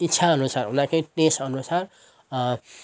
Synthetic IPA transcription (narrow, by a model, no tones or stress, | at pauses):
itːsʰaʌnusarɦunãkeʈesʌnusar